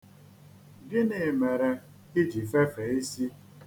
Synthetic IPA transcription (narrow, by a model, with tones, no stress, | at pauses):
bi˦ne˨me˨ɾe˨ | ɪ˦d͡ʒi˨fe˦fe˨i˦si˦